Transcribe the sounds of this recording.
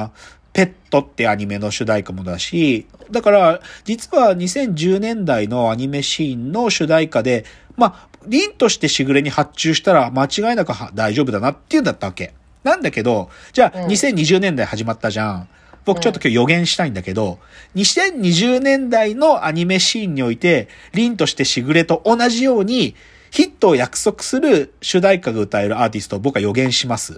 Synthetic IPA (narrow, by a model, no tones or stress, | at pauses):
pe̞t̪ːo̞t̪ːeaɲ̟ime̞no̞ɕɨd̪aikamod̪aɕid̪akaɾad͡ʑit͡sɨβaɲ̟isẽ̞ɲ̟d͡ʑɨːnẽ̞nd̪aino̞aɲ̟ime̞ɕĩnno̞ɕɨd̪aikad̪e̞ | maɾʲĩnt̪o̞ɕi̥t̪e̞ɕiɡɯ̟ɾe̞ɲ̟ihat͡ɕːɨːɕi̥t̪aɾamat͡ɕiɡaenakɯhad̪aiʑo̞ːbɯ̟d̪anat̪ːejɯ̟̃nd̪at̪ːaβake̞ | nãnd̪ake̞d̪o̞d͡ʑaːɲ̟isẽ̞ɲ̟ːiʑɨːnẽnd̪aihaʑimat̪ːaʑã | b̥o̞kɯ̟t͡ɕo̞t̪ːokʲoːjo̞ɡẽ̞ɰ̃ɕi̥t̪aĩnd̪ake̞d̪o̞ | ɲ̟isẽ̞ɲ̟ɲ̟iʑɨːnẽ̞nd̪aino̞ʔaɲ̟ime̞ɕiːɲ̟ːio̞it̪e̞ɾʲĩnt̪o̞ɕi̥t̪e̞ɕiɡɯ̟ɾe̞t̪o̞ʔonaʑijo̞ːɲ̟i | çit̪ːo̞ːjakɯ̟̥so̞kɯ̟̥sɨɾɯ̟ɕɨd̪aikaɡaɯ̟t̪aeɾɯ̟aːt̪ʲisɨ̥t̪o̞bo̞kɯajo̞ɡẽ̞ɰ̃ɕimasɨ̥